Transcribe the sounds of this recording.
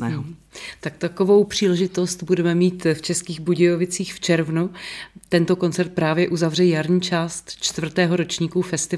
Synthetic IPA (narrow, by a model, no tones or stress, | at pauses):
ɛɦt̪akt̪akovo̞wpr̥iːlɛʒɪt̪o̞st̪budɛmɛmiːt̪ft͡ʃɛskiːɣbuɟɛjovɪt͡siːxft͡ʃɛɾvnut̪ɛnt̪o̞ko̞nt͡sɛɾt̪̚pɾaːvjɛʔuzavrɛjaɾɲiːt͡ʃaːst̪t͡ʃt̪vr̩t̪ɛːɦo̞ɾo̞t͡ʃɲiːkufɛst̪ɪ